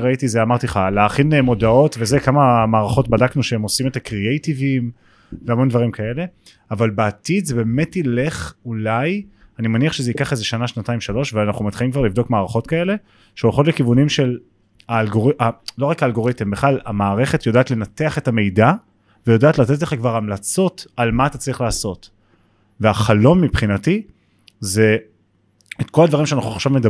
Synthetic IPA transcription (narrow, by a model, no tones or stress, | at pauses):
ʁaitizeamaʁt̪iχaleaχinemo̞dao̞tve̞zekamamaːʁaχo̞tbadaknuʃeemo̞sime̞t̪akʁiejtivim | veamo̞nd̪vaʁimkʰae̞le̞ | avalbaːt̪id̪zebe̞ːme̞tile̞χulaj | animaniaχʃezeikaχezeʃanaʃnatajimʃalo̞ʃveanaχumit̪χalimkvaʁlivd̪o̞kmaːʁaχo̞tkae̞le̞ | ʃeoχo̞tlekivunimʃe̞l | aːlɡoʁiʔalo̞ʁakaːlɡo̞ʁit̪embeχlala̰maːʁe̞χe̞tjodaːtle̞nate̞aχe̞tame̞jda | vejodaːtlat̪et̬leχakvaʁamlat͡so̞talmaːt̪at͡saʁiχlaːso̞t | veaχalo̞mːipχinati | ze̞ | etko̞ladvaʁimʃeanaχuaχʃavmeda